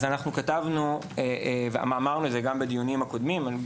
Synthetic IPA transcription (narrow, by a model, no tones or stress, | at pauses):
zanaχnukatavnuevea̰maːmaʁnuetzeɡambed̪ijonimhako̞d̪mima